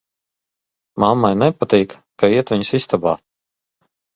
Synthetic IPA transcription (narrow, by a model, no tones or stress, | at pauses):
mamːajnɛpat̪iːk | kaiɛt̪viɲsist̪abaː